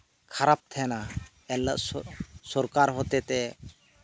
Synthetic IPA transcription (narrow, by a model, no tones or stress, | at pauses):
kʰaɾap̚t̪ʰɛna | ɛlːa̰sɔɾkaɾɦɔt̪ɛt̪ɛ